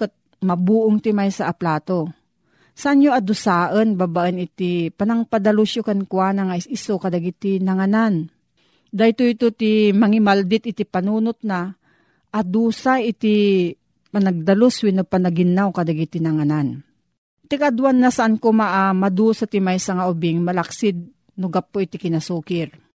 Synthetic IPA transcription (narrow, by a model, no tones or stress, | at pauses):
kət̪̚ | mɐbuːʔoŋt̪ɪmajsaʔːplaːt̪o | saʔanjoad̪ʊsaːʔənbabaʔənɪt̪ipanaŋpad̪aluʃjokankwaːnaŋaisokad̪aɡit̪inaŋanan | d̪ajt̪oit̪ot̪imɐŋɪmald̪ɪt̪̚ɪt̪ipanuːnʊt̪̚na | ʔad̪uːsaʔɪt̪i | panɐɡ̚d̪ɐloswɪnopanaɡɪnawkɐd̪aɡit̪inaŋanan | t̪ikad̪wanːasaʔankomaʔamad̪usat̪imajsaŋaʔʊbɪŋmɐlaksɪd̪̚ | nʊɡapːoʔɪt̪ɪkɪnasuːkɪɾ